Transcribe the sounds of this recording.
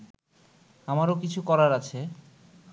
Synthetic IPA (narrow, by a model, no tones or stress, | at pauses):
amaɾokit͡ɕʰukɔɾaɾat͡ɕʰe